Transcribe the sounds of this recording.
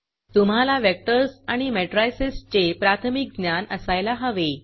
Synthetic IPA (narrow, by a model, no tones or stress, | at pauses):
t̪um̤alaʋek̚ʈəɾsaɽ̃imɛʈɾajsest͡ɕepɾat̪ʰəmik̚ɡnjanəsajlaɦəʋe